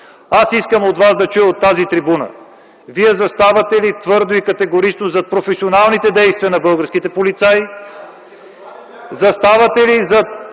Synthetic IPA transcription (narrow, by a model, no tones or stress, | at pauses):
asiskəmot̪vazd̪ɐt͡ʃujəot̪ːazit̪ɾibunə̰ | viɛzɐst̪avɐt̪ɛlit̪vɤɾd̪oikɐt̪ɛɡoɾit͡ʃnozɐt̪̚pɾofɛsionalˠnit̪ɛd̪ɛjst̪viənɐbɤlˠɡəɾskit̪ɛpolit̪sai | zɐst̪avɐt̪ɛlizɐt̪